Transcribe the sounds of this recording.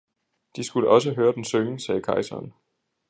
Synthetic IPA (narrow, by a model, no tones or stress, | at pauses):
d̥isɡ̥uləʔɒ̽s̬əɦøːɐd̥ensøːsɛːkʰɑ̈ɪsɐ̰ːn